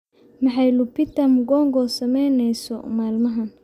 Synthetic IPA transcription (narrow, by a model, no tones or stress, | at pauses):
mɐħɑjlʊpɪt̪ɐmɡɔŋɡɔsɐmɛjnɛjsɔ̰maːlmɐɦɐn